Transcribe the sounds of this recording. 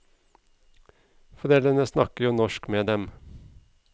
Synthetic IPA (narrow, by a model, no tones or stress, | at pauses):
fɔd̪ɛd̪ɛnəsnɑkəjuːnɔʃkmeːd̪ɛm